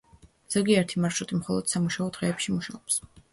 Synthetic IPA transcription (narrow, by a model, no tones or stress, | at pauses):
z̥ɔɡiaɛɾt̪ʰimaɾʃɾut̪ʼimχɔlˠɔd̪̥samuʃaɔd̪̥ʁɛːpʃimuʃaɔps